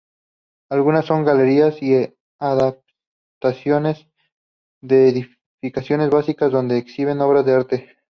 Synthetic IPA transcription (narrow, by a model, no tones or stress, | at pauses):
alɣunasːo̞ŋɡale̞ɾiasi | aðap̚ | t̪asjo̞ne̞z | ðeːði | fikasjo̞ne̞zβasikazðo̞nd̪e̞ːksiβ̞e̞no̞β̞ɾazðe̞aɾt̪e̞